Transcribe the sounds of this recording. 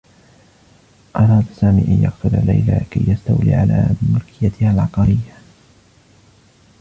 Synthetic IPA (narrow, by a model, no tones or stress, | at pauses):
ʔɑɾˤɑːd̪asaːmiːʔanjɑqt̪ʊla̰lːa̰jlakajːast̪awlḭːʕala̰ːmʊlkʰɪjat̪ɪhalʕɑqɑɾɪjːa